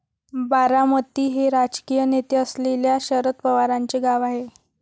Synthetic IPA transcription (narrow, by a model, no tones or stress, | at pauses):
baɾamət̪ːiːɦeɾad͡ʑkijənet̪əsleljaɕəɾət̪̚pəʋaɾaɲt͡ɕeɡaʋaɦe